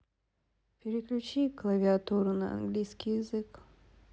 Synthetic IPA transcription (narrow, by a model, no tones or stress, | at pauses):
pʲɪɾʲɪklʲʉt͡ɕiklˠɐvʲɪat̪uɾʊnɐɐ̰nɡlʲijskʲijɪzɨk